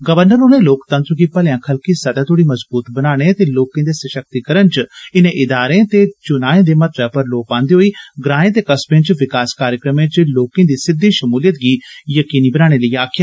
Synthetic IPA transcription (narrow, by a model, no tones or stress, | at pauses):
ɡəʋəɾnəɾoneːloːkt̪ə̃nt̪ɾəɡiːpəljãːkʰəlkiːsəd̪aːt̪oːɽiːməzbuːt̪bənaːɽ̃eːt̪eːloːkẽːd̪eːsəʃək̚t̪iːkəɾənt͡ʃɪnẽːʔɪd̪aːɾẽːt̪eːt͡ʃʊnaːẽːd̪eːmət̪ɾəpəɾloːpãːnd̪eːɦoːiːɡɾãːẽːt̪eːkəspẽːt͡ʃʋɪkaːskaːɾjəkɾəmẽːt͡ʃloːkẽːd̪iːsɪd̪ːiːʃəmuːlijət̪̚ɡiːjəkiːniːbənaːɽ̃eːləiːaːkʰjaː